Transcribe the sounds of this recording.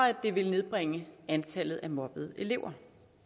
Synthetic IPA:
æd̥e̝ʋe̝lne̝ð̞ˠb̥ʁeŋəænt͡sʰælð̩ˠæmɒ̽b̥ð̩ˠe̝le̝ʊɐ

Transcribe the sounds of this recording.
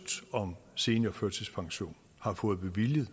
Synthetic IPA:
d̥ɒ̽mse̝ːnəɒføɐd̥sʰespʰɑ̈ŋɕo̝̰ːn | hɑ̈fɔ̽ːð̞̩ˠb̥e̝ʋiljəð̩ˠ

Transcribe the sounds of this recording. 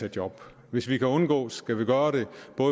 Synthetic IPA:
æ̥jɒ̽b̥ | ʋe̝sʋikʰæɔ̽nɡ̥ɔ̰̽ːsɡ̥æʋiɡ̥ɶːɐɾe̝b̥ɔ̽ː

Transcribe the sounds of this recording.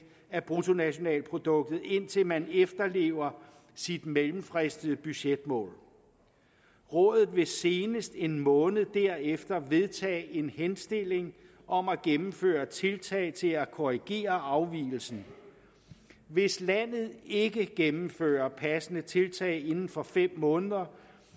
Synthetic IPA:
æb̥ʁut͡sʰo̝næɕo̝nɛ̰ːlpʰʁo̝d̥ɔ̽ɡ̥̚d̥ð̩ˠe̝n̰t͡sʰe̝lmænefd̥ɐle̝̰ːʊɐ | sid̥melm̩fʁesd̥əð̩ˠəb̥yɕed̥̚mɔ̰̽ːl | ʁɔ̽ːðˠð̩ˠʋe̝se̝ːnəsd̥e̝nmɔ̽ːnð̩ˠd̥æɐ̰efd̥ɐʋe̝ðˠt͡sʰɛ̰ːe̝nhensd̥e̝le̝ŋ | ʔɒ̽mæɡ̥emm̩fø̰ːɐt͡sʰe̝lt͡sʰɛ̰ɪt͡sʰe̝lækʰɔʁiɡ̥e̝̰ːɐɑ̈ʊʋḭːl̩sn̩ | ʋe̝slæn̰ð̞̩ˠe̝ɡ̥əɡ̥emm̩fø̰ːɐpʰæsənət͡sʰe̝lt͡sʰɛ̰ːɪe̝nn̩fɒ̽fem̰mɔ̽ːnəðˠɐ

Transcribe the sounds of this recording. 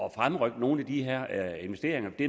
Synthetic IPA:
ɒ̽fʁamʁœɡ̥d̥no̝ːn̩æd̥iɦeɐ̰e̝nʋesd̥e̝̰ːɐ̰e̝ŋɐd̥e

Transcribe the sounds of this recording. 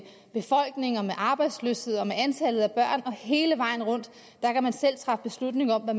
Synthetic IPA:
b̥e̝fɒ̽l̰ɡ̥ne̝ŋɒmeʔɑ̈ːb̥ɑ̈ɪd̥slø̰she̝ð̰ˠɒ̽meænt͡sʰælð̞̩ˠæb̥ɶɐ̰nɒ̽he̝ːləʋɑ̈ɪ̰n̩ʁɔ̽n̰d̥ | d̥ɑ̈kʰæmænsel̰t͡sʰʁɑ̈fəb̥e̝slud̥ne̝ŋɒ̽m̰ʋæ

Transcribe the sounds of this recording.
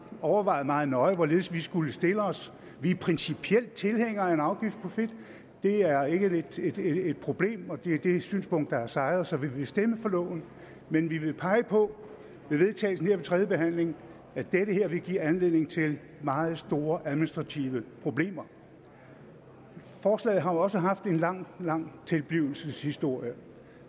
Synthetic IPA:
ɒʊɐʋɑ̈ɪð̩ˠmɑ̈ːð̩ˠnɒ̽ɪʋɒ̽le̝ːðˠəsʋisɡ̥uləsd̥e̝ləɒ̽s | ʋipʰʁɛnsipʰiel̰d̥̚t͡sʰe̝lheŋ̰ɐenɑ̈ʊɡ̥ifd̥̚pʰɒ̽fe̝d̥ | d̥e̝æɐe̝ɡ̥əed̥ed̥ːd̥̚pʰʁo̝b̥le̝̰ːmɒ̽d̥e̝d̥e̝syːnspʰɔ̽ŋ̰d̥dɑ̈æɐsɑ̈ɪð̩ˠsɒ̽ʋiʋe̝sd̥eməfɒ̽lɔ̰̽ʊn̩ | menʋiʋe̝pʰɑ̈ɪəpʰɒ̽ | ʋe̝ʋe̝ðˠt͡sʰɛ̰ːsn̩he̝ɐ̰ʋe̝t͡sʰʁɛːðˠjəb̥eɦæn̰le̝ŋ | æd̥eɾəɦeɐ̰ʋe̝ɡ̥ḭɐænle̝ðˠne̝ŋ̩t͡sʰe̝l | mɑ̈ːð̩ˠsd̥o̝ːɐʔæðˠminisd̥ʁɑ̈t͡sʰiʊəpʰʁo̝b̥le̝̰ːmɐ | fɒːslɛ̰ːð̩ˠɦɑ̈ɒ̽səɦɑ̈fd̥e̝nlɑ̈ŋ̰lɑ̈ŋ̰t͡sʰe̝lb̥liʊl̩səshisd̥o̝ɐ̰jə

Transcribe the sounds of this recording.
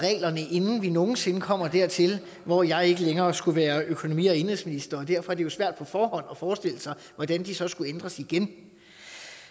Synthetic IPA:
ʁɛ̰ːlɐnəʔe̝nn̩ʋino̝ːn̩se̝nkʰɒ̽m̰ɐd̥æɐ̰t͡sʰe̝l | ʋɒjɑ̈ɪe̝ɡ̥əleŋɐːsɡ̥uʋæːɐøkʰo̝no̝mḭːɒ̽e̝nheð̰ˠsminisd̥ɐɒd̥æɐ̰fɒ̽æɐde̝jo̝sʋæɐ̰d̥̚pʰɒ̽fɒːhɒ̽n̰ɒ̽fɒːsd̥e̝l̰əsɑ̈ɪʋɒd̥ænd̥isɒ̽sɡ̥uend̥ʁɐsiɡ̥en

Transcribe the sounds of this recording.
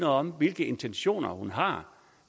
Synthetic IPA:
nɐɒ̽mʋe̝lɡ̥əe̝nt͡sʰenɕo̝̰ːnɐhunɦɑ̈

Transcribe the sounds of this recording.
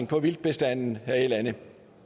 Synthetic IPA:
ŋpʰɒ̽ʋild̥̚b̥e̝sd̥æn̰n̩æe̥lænə

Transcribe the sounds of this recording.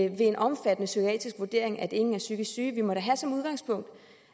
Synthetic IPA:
ʋe̝e̝nʔɒ̽mfæd̥ənəsykʰoɛ̰ːd̥isɡ̥ʋuɐd̥e̝̰ɐ̰e̝ŋæd̥e̝ŋn̩æɐsyɡ̥issyːʋimɒ̽ɾ̥æɦæsɒ̽muð̞ˠɡ̥ɑ̈ŋspʰɔ̽ŋ̰d̥

